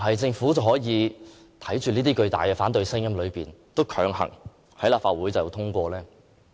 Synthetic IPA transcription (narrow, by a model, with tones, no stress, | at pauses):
ɦɐ˨jt͡sɪ˧ŋfuː˨˥t͡sɐ˨whɔː˨˥jiː˨˧ | t̪ʰɐ˨˥jt͡ʃyː˨niː˥t̪iː˥kɵ˧ɥt̪a̰ː˨jkɛː˧faː˨˥nt̪ɵ˧ɥsɪ˥ŋjɐ˥mlɵ˨˧ɥpiː˨˩nt̪o˥wkʰœː˨˥ŋhɐ̰˨˩ŋ | hɐ˨˥jlaː˨pfaː˧t̚wuː˨˥jt͡sɐ˨˩˨t̪ʰʊ˥ŋkʷɔː˧lɛː˥